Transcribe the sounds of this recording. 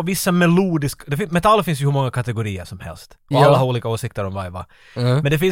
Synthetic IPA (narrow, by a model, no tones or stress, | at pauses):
vɪsːamɛluːd̪ɪskd̪ɛfɪmɛt̪ʰalːfɪnsjɵhɵmɔŋːakʰat̪ɛɡʊɾiːə̰ʂɔmhɛ̰lst̪ʔɔalːaɦaɾuːliːkaoːsɪk̚t̪əɾɔmvaɾvɑ̰ | mɛnd̪ɛfɪn